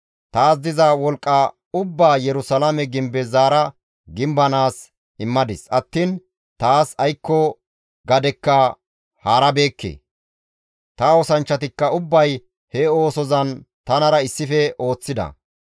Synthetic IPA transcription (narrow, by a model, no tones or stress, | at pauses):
t̪aːs̬d̪ɪzɐwɔlkʼːɐ | ʊbːaːjɛɾʊsɐlɐmɛɡɪmbɛzaːɾɐ | ɡɪmbɐnaːs | ɪmːɐd̪ɪsɐt̪ːin | t̪aːsɐjkːɔ | ɡɐd̪ɛkːɐ | haːɾɐbe̞ːkːḛ | t̪ɐɔsɐnt͡ʃːɐt̪ɪkːɐʊbːɐj | hɛo̞ːsɔzɐnt̪ɐnɐɾɐɪsːɪfɛʔo̞ːt͡sːɪd̪ɐ̰